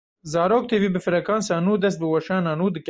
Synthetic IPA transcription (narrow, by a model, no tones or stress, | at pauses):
zɑːɾoːk̚t̪ʰevibəfɪɾɐkɑːnsɑːnuːd̪ɐs̬t̪̚bəwɐʃɑːnanuːd̪ək